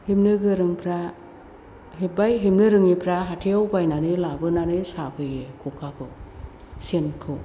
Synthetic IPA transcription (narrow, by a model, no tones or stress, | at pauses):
himnɯɡɯɾɯŋpʰɾa | hebajɦimnɯɾɯŋipʰɾaɦatʰeawbajnanɯlabɯnanɯjsabʰɯjekʰukʰakʰɯ | senkʰɯ